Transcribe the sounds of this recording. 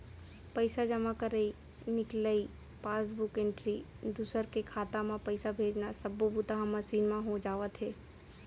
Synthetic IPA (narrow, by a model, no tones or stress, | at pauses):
pəɪsad͡ʒəmakəɾəi | nɪkləi | paːsbʊkẽɳʈɾi | d̪ʊsəɾkekʰaːt̪amãpəɪsabʱeːd͡ʒnasɐbːobʊt̪aɦãmasiːnmãɦod͡ʒaːʋət̪ɦɛː